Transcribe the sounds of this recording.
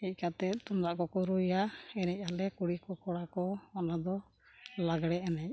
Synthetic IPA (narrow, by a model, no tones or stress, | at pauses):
ɛc̚ˀkat̪ɛt̪ɔmɾaʔkɔkɔɾujaɛnɛc̚ˀalɛkuɽikɔkɔɽakɔɔnad̪ɔ | laɡɽɛɛnɛc̚